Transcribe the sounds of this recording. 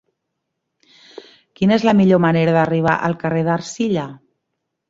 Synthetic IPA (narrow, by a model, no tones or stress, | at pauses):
kinəezləmiʎoməneɾəðəriβ̞a̰ʔəlˠkəreðərsiʎə